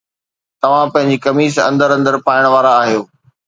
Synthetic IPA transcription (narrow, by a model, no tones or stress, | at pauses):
t̪ɐʋ̤ãpɐ̃ɦɪ̃ɲ̆d͡ʑikɐmiːsɐ̰̃nd̪əɾɐ̃nd̪əɾpaːɪɽ̃ʋaːɾaːɦijoː